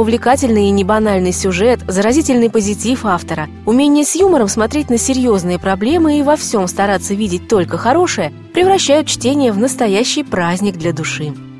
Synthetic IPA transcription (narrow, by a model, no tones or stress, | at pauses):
ʊvlʲɪkatʲɪlʲnɨjinʲɪbɐnalʲnɨjsʲʊʐɛt̪zəɾɐzʲitʲɪlʲnɨjpəzʲɪtʲifaft̪əɾə | ʊmʲenʲɪjəsʲjuməɾəmsmɐt̪ɾʲet̚ʲnəsʲɪɾʲjo̞znɨjəpɾɐblʲe̞mɨivɐfsʲo̞mst̪ɐɾat̪sːəvʲidʲɪt̚ʲt̪o̞lʲkəxɐɾo̞ʂɨjə | pɾʲɪvɾɐɕːæjʊt̪̚t͡ɕtʲenʲɪjəvnəst̪ɐjæɕːɪjpɾazʲnʲɪɡ̚d̪lʲɐd̪ʊʂɨ